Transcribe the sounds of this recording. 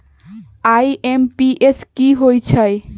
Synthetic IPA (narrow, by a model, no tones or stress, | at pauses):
ajʔempiʔeskiɦojt͡ʃʰaj